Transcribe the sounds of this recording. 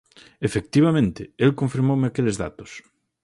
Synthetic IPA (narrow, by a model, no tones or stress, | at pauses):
efek̚t̪iβ̞amẽnt̪ɪelkõɱfiɾmowmɪakelezða̰t̪ʊ̥s